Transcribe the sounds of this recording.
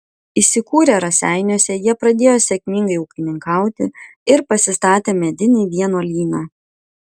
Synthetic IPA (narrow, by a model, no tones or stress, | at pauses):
isʲɪkuːɾʲeːɾɐsʲæɪnʲuɔsʲɛjiɛpɾɐd̪ʲeːjoːsʲɛkʲmʲɪŋɡɐɪʊkʲɪnʲɪŋkɑˑʊt̪ʲɪ̰ɪɾpɐsʲɪst̪ɑːt̪ʲeːmʲɛd̪ʲɪnʲiːʋʲiɛnoːlʲiːnɑː